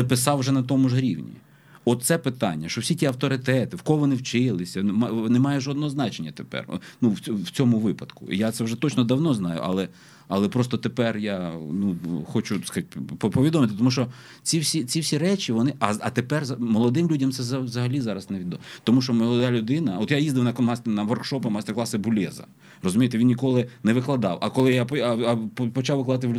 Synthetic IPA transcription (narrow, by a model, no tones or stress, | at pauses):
pɪsɑwʒɛnɐt̪ɔmʊʒɦɾʲiwnʲḭ | ɔt̪sɛpɪt̪ɑ̰nʲːɐʃɔwsʲitʲiɐwt̪ɔɾɪt̪ɛt̪ɪwkɔɦɔʋɔnɪwt͡ʃɪlˠɪsʲɐnmnemɑjɛʒɔd̪nɔɦɔznɑt͡ʃenʲːɐt̪epɛ̰rnuwʲwt͡sʲɔmʊʋɪpɐd̪̥kʊḭjat̪sɛwʒɛt̪ɔt͡ʃnɔd̪ɐwnɔznɑjʊ̰ʔɐ̰lˠɛ | ɐlˠɛpɾɔst̪ɔt̪epɛrjanuxɔt͡ʃʊskt̚ʲppɔʋʲid̪ɔmɪt̪ɪt̪ɔmuʃt͡ʃɔ | t͡sʲiwsʲit͡sʲiwsʲiɾɛt͡ʃiʋɔnɪʔɐɐt̪epɛrzɐmɔlˠɔd̪ɪmlʲudʲɐmt̪sɛzɐʋzɐɦɐlʲizɑɾɐsnɛʋʲid̪ɔt̪ɔmuʃt͡ʃɔmɔlˠɔd̪ɑlʲʊd̪ɪnɐɔt̪jajizd̪ɪwnɐkmasʲt̪nɐʋɔrkʃɔpɐmɐst̪ɛrklˠɑsɪbʊlʲɛzɐ̰ | rɔzʊmʲijet̪ɛʋʲinnʲikɔlˠɪnɛʋɪklˠɐd̪ɑwʔɐkɔlˠɪjapɔɐɐppɔt͡ʃawʋɪklˠɐd̪at̪ɪl